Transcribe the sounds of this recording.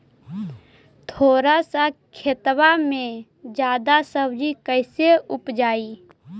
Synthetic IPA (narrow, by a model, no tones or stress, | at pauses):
t̪ʰoːɾasakʰet̪wamẽ | d͡ʒjaːd̪asəbd͡ʒikəɪseʊpd͡ʒaːi